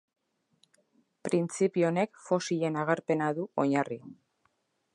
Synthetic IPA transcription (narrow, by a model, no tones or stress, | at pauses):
pɾint͡sipio̞ne̞kfo̞siʎe̞naɣ̞aɾpe̞naðuo̞ɲari